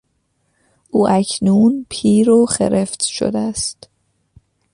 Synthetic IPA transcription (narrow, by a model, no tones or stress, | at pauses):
ʔuːʔæcʰnuːnpʰiːɾoxḛɾeft̪ʃo̰d̪eæst̪